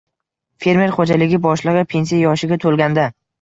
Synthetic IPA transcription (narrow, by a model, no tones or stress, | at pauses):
fe̞ɾme̞ɾχod͡ʒalɪɡʲɪbɒʃlˠɨʁɨpʰe̞nsijajɒʃɪɡʲat̪ʰolˠɡʲand̪a